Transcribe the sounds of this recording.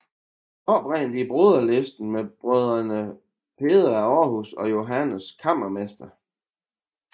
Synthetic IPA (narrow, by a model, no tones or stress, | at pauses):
ɒ̽b̥ʁɛ̰nd̥ib̥ʁoðˠɐlesd̥n̩meb̥ʁœðˠɐnə | pʰe̝ːðˠɐæɒːɦusɒ̽jo̝ɦænəskʰɑ̈m̰ɐmesd̥ɐ